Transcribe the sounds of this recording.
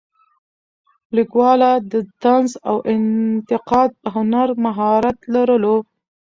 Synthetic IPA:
likwɑlad̪əd̪anzawʔɪnt̪ɪqɑd̪̚pəɦʊnaɾmaɦɑɾat̪laɾəlo

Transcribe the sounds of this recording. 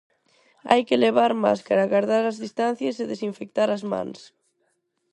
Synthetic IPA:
a̰jkeleβ̞aɾma̰skaɾaɣaɾðaɾazðist̪an̟θjaseðesiɱfek̚t̪aɾazmã̰ns

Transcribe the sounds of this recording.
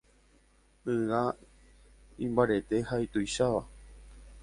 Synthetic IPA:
ɨa | ĩmbaɾe̞t̪e̞hajt̪ojʃaʋa

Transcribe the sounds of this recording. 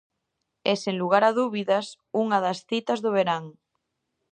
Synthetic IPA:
eseŋluɣ̞aɾaðuβiðɐs | uŋaðɐsθit̪ɐzðʊβ̞eɾaŋ

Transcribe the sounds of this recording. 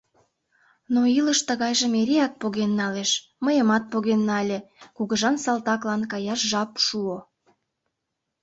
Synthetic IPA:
noiləʃt̪əɣɑjʒəmeɾeɑt̪̚poɣenːɑleʃ | məjəmɑt̪̚poɣenːɑlʲekuɣəʒɑnsɑlt̪ɑklɑnkɑjɑʃʒɑpʃuo

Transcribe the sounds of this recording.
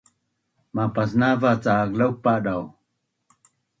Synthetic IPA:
mapasnavat͡saːklaw̚paɗaw

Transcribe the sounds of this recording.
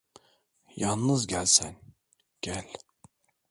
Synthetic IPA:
jannːɯzɟælʲsæn | ɡ̥ælʲ

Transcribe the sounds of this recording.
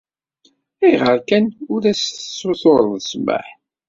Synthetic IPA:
iʁəɾkænʊɾæsθsːoθoɾˤðəsmə̰ħ

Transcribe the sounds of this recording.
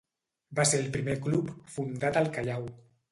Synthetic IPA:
baseɾəlˠpɾimeklupfund̪at̪əlˠkaʎaw

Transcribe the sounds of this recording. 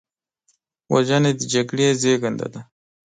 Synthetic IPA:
wa̰d͡ʒaned̪əd͡ʒaɡɽezeɡand̪a̰d̪a

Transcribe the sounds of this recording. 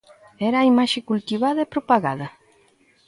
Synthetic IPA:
ɛɾaːimaʃɪkult̪iβaðɐepɾopaɣaðɐ

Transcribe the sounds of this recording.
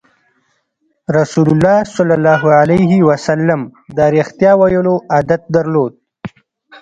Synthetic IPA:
ɾasulʊlːɑːsɑlːalːɑːɦualaɦiwasalːamd̪əaɾext̪jɑwajəloʔad̪at̪̚d̪aɾlod̪̚

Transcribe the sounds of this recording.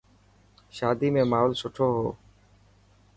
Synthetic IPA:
ʃaːd̪iːmẽːmaːʊlsʊʈʰoːɦo̰ː

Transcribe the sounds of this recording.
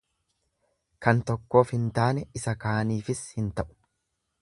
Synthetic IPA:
kɐnt̪ɔkːo̞ːfhɪnt̪aːnɛɪsɐkaːniːfɪshɪnt̪ɐʔʊ̥

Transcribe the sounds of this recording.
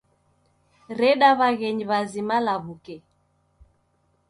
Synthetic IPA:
ɾɛɗaβaɣɛɲiβazimalaβukɛ

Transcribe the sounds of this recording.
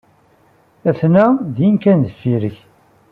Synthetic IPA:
æθnæðjinkænðəfːiɾəç

